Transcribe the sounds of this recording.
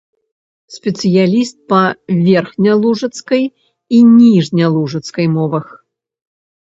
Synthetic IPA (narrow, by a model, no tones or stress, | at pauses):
sʲpʲɛt̪sɨjalʲist̪̚pɐvʲɛrxnʲɐlˠuʐɐt̪skɐj | inʲiʐnʲɐlˠuʐɐt̪skɐjmɔvɐx